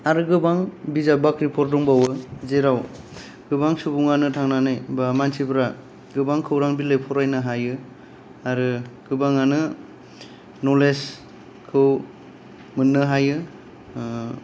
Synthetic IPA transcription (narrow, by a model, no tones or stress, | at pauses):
aɾɯɡɯbaŋbizabakɾipʰɔɾduŋbawɯzeɾaw | ɡ̥ɯbaŋsubuŋanɯtʰaŋnanajbamansibɾa | ɡɯbaŋkʰɯwɾaŋbilɯjpʰɔɾajnɯɦajɯ | aɾɯɡ̥ɯbaŋanɯ | nɔles | kʰɯw | mɯnːɯɦajɯ